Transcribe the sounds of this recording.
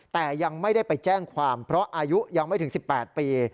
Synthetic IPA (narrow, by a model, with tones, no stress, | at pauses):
t̪ɛː˨˩ja˧ŋma˥˩jda˥˩jpa˧jt͡ɕɛː˥˩ŋkʰwaː˧mpʰɾɔ˦˥ʔaː˧ju˦˥ja˧ŋma˥˩jt̪ʰɯ˩˦ŋsi˨˩pːɛː˨˩t̪̚piː˧